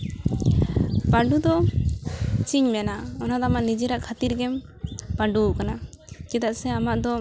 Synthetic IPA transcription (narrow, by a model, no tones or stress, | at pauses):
paɖud̪ɔ | t͡ʃiɲmɛnaɔnad̪ɔamaʔnid͡ʒɛɾaʔkʰat̪iɾɡɛm | paɖuʔkana | kɛt̪aʔsɛamaʔd̪ɔ